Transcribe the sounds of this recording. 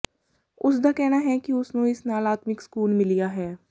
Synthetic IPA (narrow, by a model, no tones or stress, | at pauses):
ʊsd̪aːkɛːnaːɦɛːkiʊsnũːɪsnaːlaːt̪mɪksə̥kuːlmɪlijaːɦɛː